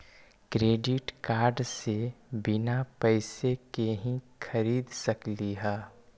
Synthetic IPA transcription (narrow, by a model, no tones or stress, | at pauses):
kɾeːɖɪʈkaːɾɖsebɪnapəɪsekeɦĩkʰɐɾiːd̪sɐkliɦɛː